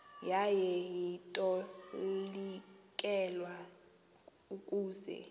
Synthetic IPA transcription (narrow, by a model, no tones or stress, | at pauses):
jajɛjitʼɔ | likʼɛlwa | ukʼuːzɛ̰